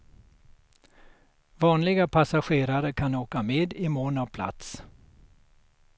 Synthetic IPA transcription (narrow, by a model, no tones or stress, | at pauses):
vɑːnlɪɡapʰasaɧeːɾaɾəkʰanoːkameːd̪ɪmoːnavpʰla̰t̪s